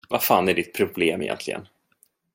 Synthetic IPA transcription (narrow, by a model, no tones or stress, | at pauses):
vafaːnæɖɪt̪̚pʰɾʊbleːmɪ̰jɛ̰nt̪lɪɡə̰n